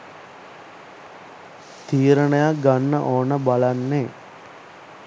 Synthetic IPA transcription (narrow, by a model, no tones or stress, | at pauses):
t̪iːɾəɳəjak̚ɡanːə̰ʔoːnəbalanːe